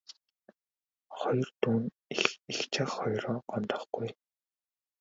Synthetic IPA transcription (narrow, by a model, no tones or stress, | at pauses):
χɔjɞ̆rt̪uːn | ixixt͡ɕʰaχːɔjrɔːɢɔnt̪ɞ̥̆χɡ̥uj